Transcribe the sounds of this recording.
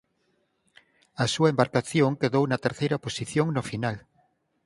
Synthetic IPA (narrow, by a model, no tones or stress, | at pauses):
ɐsuɐembaɾkaθjoŋkeðownɐt̪eɾθejɾɐposiθjoŋnʊfinal